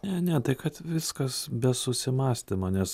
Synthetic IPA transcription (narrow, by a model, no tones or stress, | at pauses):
nʲɛnʲɛt̪ɐɪkɐt̪ʋʲɪskɐsbʲɛsʊsʲɪmɑːsʲt̪ʲɪmonʲɛs